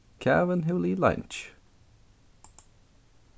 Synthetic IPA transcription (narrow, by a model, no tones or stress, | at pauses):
kʰa̰və̃nɦʉlilã̰nt͡ʃ